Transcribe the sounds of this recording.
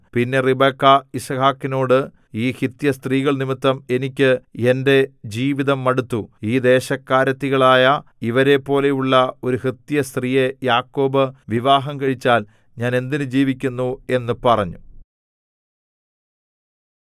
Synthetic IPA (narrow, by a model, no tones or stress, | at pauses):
pinːe̞ribeːkːɐisɐhaːkːino̞ːɽɨ | iːhit̪jɐst̪riːɣɐɭnimit̪ːɐme̞nikʲːɨe̞nde̞d͡ʑiːʋiðɐmːɐɽut̪ːuiːd̪e̞ːɕɐkːaːɾɐt̪ːiɣɐɭaːjɐ | iʋɐɾe̞pːo̞ːle̞juɭːɐo̞ɾuhit̪jɐst̪riːje̞jaːkːo̞ːbɨʋiʋaːɦɐmkɐɻit͡ɕːaːl | ɲaːne̞nd̪inɨd͡ʑiːʋikʲːunːue̞nːɨpɐrɐɲːu